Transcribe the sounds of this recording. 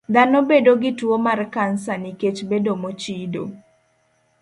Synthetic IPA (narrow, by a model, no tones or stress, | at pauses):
d̪anobedoɡɪtwomarkansaniket͡ʃbedomot͡ʃido̰